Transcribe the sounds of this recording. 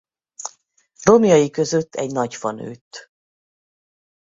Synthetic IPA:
ro̞mjɒjikø̞zø̞t̪ːɛ̰ɟnɒcfɒnø̰ːt̪ː

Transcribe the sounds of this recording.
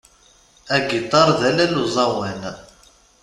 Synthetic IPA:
æɡit̪ˤːɑɾˤðælæluzˤɑwæn

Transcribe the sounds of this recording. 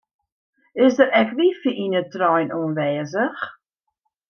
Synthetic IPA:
ɪsdəɾɛkʋifiinətrɔjnuənʋɛːzəx

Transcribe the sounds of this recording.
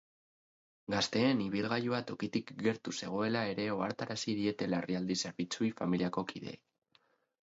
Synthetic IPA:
ɡast̪e̞ːniβ̞ilɣajuat̪o̞kit̪ikɡe̞ɾt̪use̞ɣ̞o̞e̞lae̞ɾe̞o̞aɾt̪aɾasið̞ie̞t̪e̞laeriald̪ise̞ɾβit͡suifamiliako̞kʰiðe̞̰j

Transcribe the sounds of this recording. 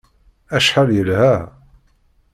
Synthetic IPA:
æʃħəljəlhæ

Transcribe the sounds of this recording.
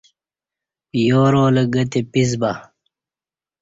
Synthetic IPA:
joːɾoːlɐɡɐt̪epizba

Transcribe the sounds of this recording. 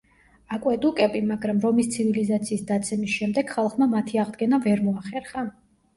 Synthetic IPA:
akʼwɛd̪ukʼɛbimaɡɾamɾɔmist̪sʰivilizat̪sʰiːsd̪at̪sʰɛmisʃɛmd̪ɛɡ̥χalˠχmamat̪ʰiaʁd̪ɡɛnavɛɾmɔaχɛɾχa

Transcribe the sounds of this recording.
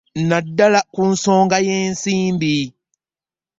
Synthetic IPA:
nadːalakun̩soːŋɡajeːnsiːmbi

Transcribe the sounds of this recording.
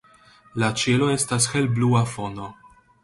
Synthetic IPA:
lat͡ʃelo̞e̞stasxelbluafo̞no̞

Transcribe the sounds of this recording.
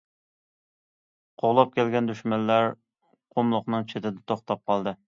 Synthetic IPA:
qʰoʁlˠɑp̚kʲʰɛlɡʲɛnd̪yʃmɛnːæɾ | qʰomlˠʊqnɨŋt͡ʃʰet̪ʰɪd̪ɛt̪ʰoχt̪ɑp̚qʰɑlˠd̪ɨ

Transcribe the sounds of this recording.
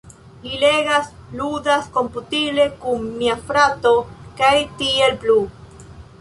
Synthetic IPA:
lileɡasludasko̞mputible̞kunːiafɾato̞kajtielplu

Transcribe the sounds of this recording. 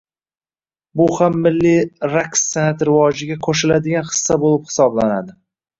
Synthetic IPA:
bʊhamːɪlːiɾaksenat̪ɾɪvɒd͡ʒɪɡʲakʰoʃ̬ɪlad̪ɪɡʲanχɨ̥sːabolˠɪphɪ̥sɒblanad̪ɪ

